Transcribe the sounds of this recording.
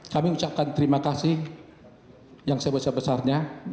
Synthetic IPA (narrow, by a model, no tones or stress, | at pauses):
kamiut͡ʃap̚kant̪əɾimakasɪh | jaŋsajabəsarbəsarɲa